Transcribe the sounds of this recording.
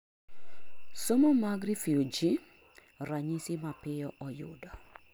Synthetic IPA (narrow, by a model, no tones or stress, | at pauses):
somomaɡɾifiod͡ʒi | ɾaɲisimapɪjɔʔɔjʊ̰dɔ